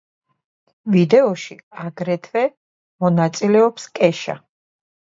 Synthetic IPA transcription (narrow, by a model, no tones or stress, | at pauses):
vid̪ɛɔʃiaɡɾɛt̪ʰvɛ | mɔnat̪sʼilɛɔpskʼɛʃa̰